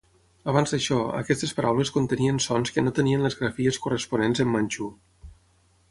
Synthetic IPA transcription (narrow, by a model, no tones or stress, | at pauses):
əβanzd̪əʃɔə̰kɛst̪əspəɾʔawləskunt̪əniənsɔnskənot̪əniənləzɣɾəfiəskurəspunenzəmːanʲt͡ʃu